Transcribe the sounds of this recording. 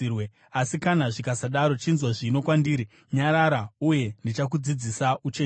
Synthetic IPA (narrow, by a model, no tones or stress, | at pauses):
we | asikanaʐikasaɗaɾo̞t͡ʃinzwaʐino̞kwandiːɾi | ɲaɾaɾauje̞ndit͡ʃak̬ud͡zid͡zisaut͡ʃe